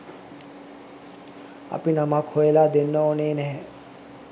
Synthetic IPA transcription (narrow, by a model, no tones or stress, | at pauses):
ɐ̰pinamakhojəlad̪enːəoneːnɛɦɛ